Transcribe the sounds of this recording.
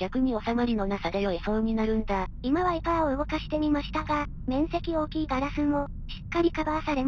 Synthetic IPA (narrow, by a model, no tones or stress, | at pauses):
ɡʲakɯ̟ɲ̟io̞samaɾʲino̞nasad̪ejoesõːɲ̟inaɾɯ̟̃nd̪aimaβaikaoɯ̟ɡo̞kaɕi̥t̪e̞mʲimaɕi̥t̪aɡa | mẽ̞ɰ̃se̞kʲio̞ːkʲiːɡaɾasɨmo̞ | ɕi̥kːaɾʲikabasaɾe̞m